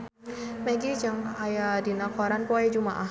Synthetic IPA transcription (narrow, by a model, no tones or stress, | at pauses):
mɛɡid͡ʒaŋajadinakɔɾanpɔɛd͡ʒumaʔah